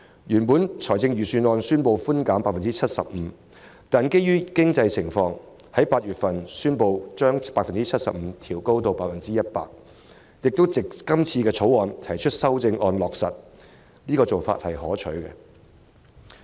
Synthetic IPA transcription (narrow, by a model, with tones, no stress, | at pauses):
jyː˨˩npuː˨˥nt͡ʃʰɔː˨˩jt͡sɪ˧ŋɥyː˨syː˧nɔː˧nsyː˥npo˧wfu˥nkaː˨˥mpaː˧k̚fɐ˨nt͡siː˥t͡sʰɐ˥t̚sɐ̰˨p̚m̩ː˨˦ | t̪aː˨nke˥jyː˥kɪ˥ŋt͡sɐ˧jt͡sʰɪ˨˩ŋfɔː˧ŋ | hɐ˨˥jpaː˧t̚jyː˨˩t̚fɐ˨nsyː˥npo˧wt͡ʃœː˥ŋpaː˧k̚fɐ˨nt͡siː˥t͡sʰɐ˥t̚sɐ̰˨p̚m̩ː˨˦t̪ʰiː˨˩wko˥wt̪o˧wpaː˧t̚fɐ˨˩nt͡siː˥jɐ˥t̚pa̰ː˧k̚ | jɪ˨k̚t̪o˥wt͡sɪ˨k̚ːɐ˥mt͡sʰiː˧kɛː˧t͡sʰo˨˥wɔː˨˧nt̪ʰɐ˨˩jt͡ʃʰɵ˥t̚sɐ˥wt͡sɪ˧ŋʔɔː˧nlɔː˨k̚sɐ˨t̚ | niː˥kɔː˧t͡so˨˩wfa̰˧t̚hɐ˨jhɔː˨˥t͡ʃʰɵ˨˥ɥkɛ̰˧